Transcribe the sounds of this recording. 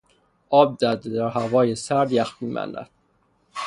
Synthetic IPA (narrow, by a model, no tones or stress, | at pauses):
ʔɒːb̚d̪æd̪ed̪æɾhævɒːjesæɾd̪jæxmiːmæ̰nːæ̰d̪̥